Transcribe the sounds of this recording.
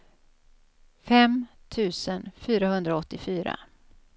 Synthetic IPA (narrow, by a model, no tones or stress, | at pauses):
fɛm | t̪ʰʉ̟ːsənfyːɾahɵnd̪ɾaɔt̪ːɪfyːɾa̰